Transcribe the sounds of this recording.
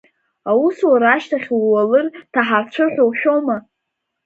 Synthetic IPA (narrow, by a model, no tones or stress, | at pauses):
awuswaɾaʃtʰaχʲwwalɨrtʰaħart͡ɕʷʰɨħᶣowʃᶣoma